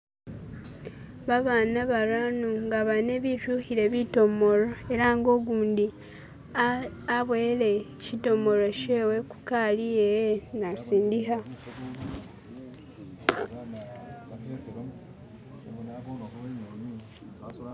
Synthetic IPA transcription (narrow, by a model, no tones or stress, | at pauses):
βaβaːnaβaɾanuŋɡaβane̞βiʃuhiɾe̞βito̞mo̞ɾo̞e̞ɾaŋɡo̞ɡuːndi | aβweːɾe | cito̞mo̞ɾo̞cewe̞ku̥kalijejenasiːndiɦa